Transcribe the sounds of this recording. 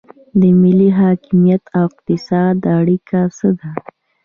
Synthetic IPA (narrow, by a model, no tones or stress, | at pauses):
d̪əmɪliɦɑkɪmijat̪awɪq̚t̪ɪsɑd̪aɽikʰasəd̪a